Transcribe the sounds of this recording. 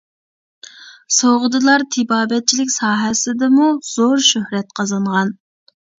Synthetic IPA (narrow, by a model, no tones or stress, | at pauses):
soʁʊd̪ɨlˠɑɾt̪ʰɪbɑːbɛt̪̚t͡ʃʰilɪkʲsɑːɦɛsɪd̪ɪmuz̥oɾʃøhɾɛt̪̚qʰɑzɑɴʁɑn